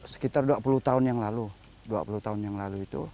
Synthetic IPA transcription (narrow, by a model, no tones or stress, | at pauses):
sə̥kit̪arduapulut̪aʊnjaŋlalu | dua̰pulut̪aʊnjaŋlaluit̪u